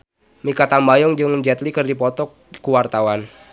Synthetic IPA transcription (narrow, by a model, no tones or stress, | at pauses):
mikat̪ambajɔŋd͡ʒɨŋd͡ʒɛt̪likɨrdipɔt̪ɔk̚ | kuwart̪awan